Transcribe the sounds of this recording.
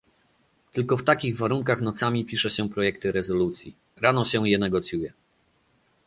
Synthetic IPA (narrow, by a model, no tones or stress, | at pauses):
t̪ɘlkɔft̪akʲiɣvaɾuŋkaxnɔt̪samʲipʲiʂɛɕɛpɾɔjɛkt̪ɘɾɛzɔlut̪sʲji | ɾanɔɕɛ̃jɛnɛɡɔt̪sʲjujɛ